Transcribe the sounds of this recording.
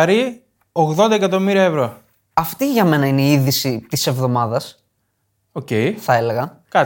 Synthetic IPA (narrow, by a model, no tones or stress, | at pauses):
ɾi | oɣðo̞nd̪ɐekɐt̪o̞miɾiɐevɾo̞ | ɐft̪iʝɐme̞nɐineiiðisit̪ise̞vðo̞mɐðɐs | ocejθɐe̞le̞ɣɐ | kɐ